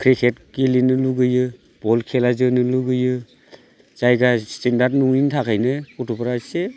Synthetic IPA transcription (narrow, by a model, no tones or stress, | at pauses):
kʰɾikʰet̚kilinɯluɡɯjɯ | b̥ɔlkʰelazɯnɯluɡɯjɯ | z̥ajɡastendaɾdnuŋnintʰakʰajnɯkutʰupɾase